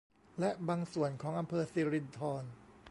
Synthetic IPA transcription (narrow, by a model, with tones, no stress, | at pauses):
lɛ˦˥baː˧ŋsu˨˩ənkʰɔː˩˦ŋʔa˧mpʰɤː˧siː˧ɾi˧nt̪ʰɔː˧n